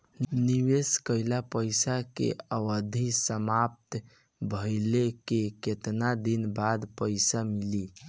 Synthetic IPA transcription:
niweskəɪlapəɪsakḛəwəd̪ʱisəmap̚t̪ | bʱəɪlekeket̪nad̪inbad̪pəɪsamili

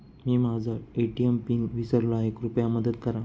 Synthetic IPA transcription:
miːmad͡zʱaeʈiempiːnʋisəɾlaekɾupjaməd̪əd̪kəɾã

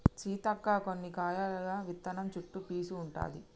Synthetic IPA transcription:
t͡ʃiːt̪ɐkːaːkonːikaːjalɐɡaːʋit̪ːɐnɐmt͡ʃuʈːupiːsuːɳʈa̰ːd̪i

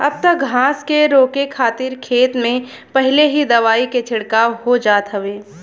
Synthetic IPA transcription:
ɐ̰b̚t̪ək̚ɡʱãːskeɾoːkekʰaːt̪ɪɾkʰeːt̪mẽ | pɐɦɪleɦid̪ɐʋaːiket͡ʃʰɪɽkaːwɦod͡ʒaːt̪ɦəʋeː

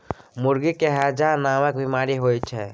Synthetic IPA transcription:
muɾɡikeɦad͡ʒanaməkbimaɾiɦojt͡ʃʰɛ

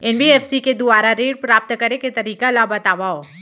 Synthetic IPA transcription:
ɪnbʱiɛːfsiked̪ʊaːɾaɾeːʈpɾaːp̚t̪kɐɾeket̪ɐɾiːkalabɐt̪aːʋaoː

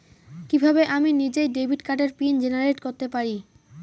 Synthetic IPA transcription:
kibʱabeʔaminid͡ʑejɖebʱiʈkaʈeɾpind͡ʑenaɾeʈkoɾt̪epaɾi

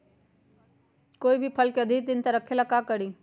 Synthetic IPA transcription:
koːibʱipʰɐlkeɐd̪ʱɪk̚d̪ɪnt̪ɐɾɐkʰelakakəɽiː

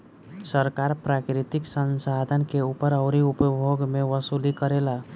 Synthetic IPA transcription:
səɾkaɾpɾakɾit̪iksənsad̪ʱənkeupəɾəʊɾiupbʱoɡmeʋəsulikəɾela

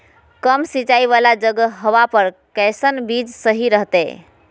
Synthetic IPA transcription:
kəmsit͡ʃaiβalad͡ʒəɡəɦəʋapəɾkɛjsənbid͡ʒsəɦiɾəɦt̪ɛ

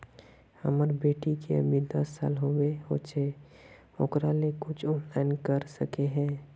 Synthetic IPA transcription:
hə̰məɾbeːʈikeʊ̰miːd̪əsa̰ːlɦoweɦoːt͡ʃeː | o̰ːkɾalekʊt͡ʃʰʊpɛnkəɾsə̰keɦɛ̃ː

